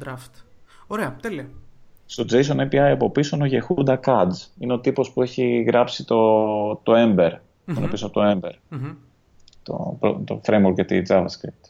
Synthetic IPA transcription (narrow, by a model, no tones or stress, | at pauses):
d̪ɾaft̪oɾeɐt̪eliɐst̪o̞d͡ze̞jsonepiɐjɐpo̞pisono̞ʝexud̪ɐkɐd͡zineo̞t̪ipo̞spue̞çiɣɾɐpsit̪o̞t̪o̞embe̞ɾ | onopisot̪oe̞mbe̞ɾ | t̪o̰ɾo̰t̪o̰fɾejmwoɾkʝɐt̪id͡zɐvɐskɾit̪